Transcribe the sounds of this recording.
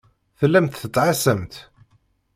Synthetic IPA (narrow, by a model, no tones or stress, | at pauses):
θəlːæmt̪θət͡s̪ːʕasəmt̪